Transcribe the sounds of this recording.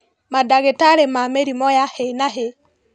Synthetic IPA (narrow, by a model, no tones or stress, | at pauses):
madaɣetaɾemameɾimɔjahenaɦe